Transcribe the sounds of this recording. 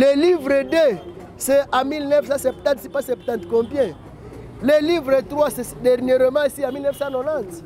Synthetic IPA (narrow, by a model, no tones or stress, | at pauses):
lelivʁəd̪e | sɛamilnɛfsãsɛp̚t̪ãt̪sipãsɛp̚t̪ɑ̃t̪kɔ̃pjɛ̃ | lelivʁət̪χwasɛsd̪ɛʁnjeʁəmãisiãmilnɛfsãnɔnãt̪